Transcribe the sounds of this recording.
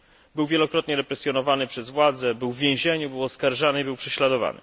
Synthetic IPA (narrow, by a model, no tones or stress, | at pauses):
bɘwvʲjɛlɔkɾɔt̪ɲɛɾɛpɾɛsʲjɔnɔvanɘpʂɛzvwad̪zɛbɘwvːʲjẽw̃ʑeɲubɘwɔskaɾʐanɘibɘwpʂɛɕlad̪ɔva̰nɘ̰